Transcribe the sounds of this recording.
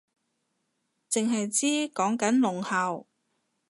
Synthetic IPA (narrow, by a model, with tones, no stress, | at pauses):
t͡sɪ˨ŋɦɐ˨jt͡siː˥kɔː˨˥ŋkɐ˨˥nlʊ˨ŋhaː˨w